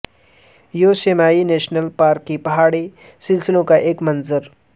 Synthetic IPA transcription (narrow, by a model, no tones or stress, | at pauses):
joːsemaːineːʃnəlpaːɾkːipɐɦaːɽi | sɪlsɪlõkaʔeːkmɐnzəɾ